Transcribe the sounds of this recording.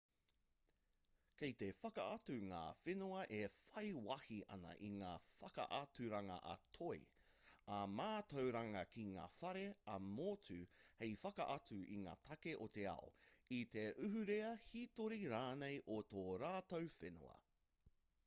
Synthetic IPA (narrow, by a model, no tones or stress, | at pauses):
kejt̪e̞fɐkɐɐtʉŋa̰ːfenuɐʔefɐjwɐhiʔɐ̰nɐ̰ʔiŋaːfɐkɐ̰ʔɐt͡sʉɾɐŋɐ̰ʔɐ̰tʰoḭ | ɐmaːtowɾɐŋɐkʰiŋa̰ːfɐɾe̞ɐmoːt͡sʰʉhejfɐkɐ̰ʔɐt͡sʉʔḭŋa̰ːtʰɐkeʔot̪e̞ɐ̰o̰it̪eʔʉɦʉɾeɐhit̪oɾiɾaːnejʔot̪oːɾaːtowfenṵɐ̰